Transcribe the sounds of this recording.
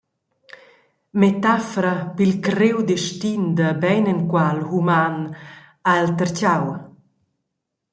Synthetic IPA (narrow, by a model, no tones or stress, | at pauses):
met̪afɔɾapilkɾewd̪ɛʃtind̪əbɛjnənkwalhuman | aɛlt̪əɾt͡ɕaw